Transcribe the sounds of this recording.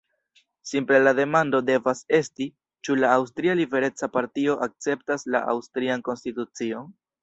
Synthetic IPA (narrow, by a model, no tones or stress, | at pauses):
simple̞lade̞mando̞de̞vase̞sti | t͡ʃulaːws̬tɾialibe̞ɾe̞t͡sapaɾtio̞ʔak̚t͡se̞p̚tasla̰ʔa̰wstɾianko̞nstitut͡sio̞n